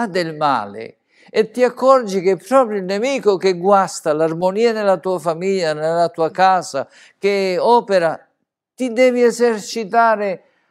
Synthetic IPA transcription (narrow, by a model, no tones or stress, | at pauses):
ad̪ɪlma̰ːlɪ̰ | ɛt̪ːiakːɔrd͡ʒik̟epːɾɔːpɾjoilnemiːkʊk̟ɪɡwast̪alarmoniːanɪlat̪uːafamiʎːanelat̪uːakaːza | kɪɔːpeɾa | t̪id̪ɛːviɛzɛrt͡ʃit̪aːɾɪ